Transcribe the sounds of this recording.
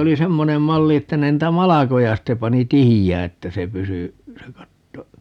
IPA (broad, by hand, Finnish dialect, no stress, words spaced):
oli semːonem mɑlːi etːæ ne niːtæ mɑlɑkojɑ sitːe pɑni tihijæː etːæ se pysy se kɑtːo